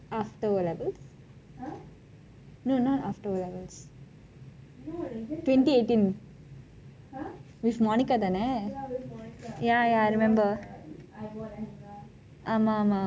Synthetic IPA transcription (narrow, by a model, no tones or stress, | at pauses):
aːfʈəɾɔleʋɛls | noːnoːaːfʈəɾɔlɛʋɛls | ʈʋẽɳʈieːʈĩn | ʋifmɔːnikat̪ane | jajaɾɪmɛ̃mbəɾ | amama